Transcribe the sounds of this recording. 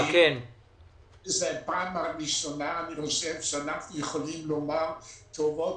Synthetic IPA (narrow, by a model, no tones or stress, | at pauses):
kken | zepaːmaʁiʃonaːniχoʃevʃeanaχnujeχolimlomaʁt̪ovot